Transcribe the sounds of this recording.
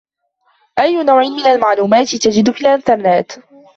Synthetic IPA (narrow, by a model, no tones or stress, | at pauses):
ʔajːʊnawʕɪnmɪnalmaʕluːmaːt̪ɪt̪ad͡ʒɪd̪filʔanθanˤnaːt̪